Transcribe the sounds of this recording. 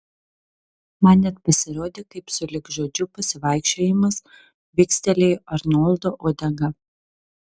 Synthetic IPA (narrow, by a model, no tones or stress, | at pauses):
mɐnʲnʲɛt̪pɐsʲɪɾoːd̪ʲeːkɐɪpsʊlʲɪkʒoːd͡ʒʲʊpɐsʲɪʋɐˑɪkʃʲt͡ʃʲoːjɪmɐs | ʋʲɪksʲt̪ʲɛlʲejʔɐɾnɔlˠd̪oːʔod̪ʲɛɡɐ